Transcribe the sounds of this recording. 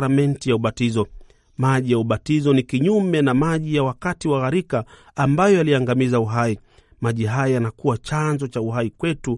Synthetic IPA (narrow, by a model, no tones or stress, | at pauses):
ɾamɛntijauɓatizɔ | maʄijauɓatizɔnikiɲumɛnamaʄijawakatiwaɣaɾikaː | mbajɔaliaŋɡamizauɦai | maʄiɦajajanakuwat͡ʃanzɔt͡ʃauɦaikwɛtu